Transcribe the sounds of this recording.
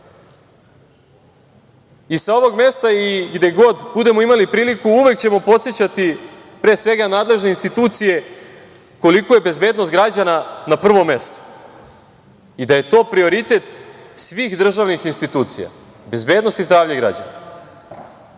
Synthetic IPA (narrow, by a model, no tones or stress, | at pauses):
isao̞ʋo̞ɡme̞st̪aiɡd̪e̞ɡo̞d̪bud̪e̞mo̞imalipɾiːlikuuʋe̞kt͡ɕe̞mo̞po̞t̪sjet͡ɕat̪i | pɾe̞ːsʋe̞ɡanaːd̪le̞ʒneinst̪it̪uːt̪sije̞ | ko̞likoje̞be̞zbe̞ːd̪nost̪ɡɾad͡ʑananapr̩ʋo̞mːe̞st̪o̥ | id̪aje̞t̪o̞ːpɾio̞ɾit̪e̞t̪sʋiːxd̪r̩ʒaʋnixinst̪it̪uːt̪sija̰ | be̞zbe̞ːd̪nost̪izd̪ɾaːʋʎaɡɾa̰d͡ʑa̰na